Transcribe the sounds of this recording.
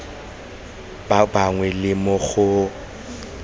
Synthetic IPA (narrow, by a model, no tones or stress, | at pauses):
baŋwɛlɪmʊɣʊ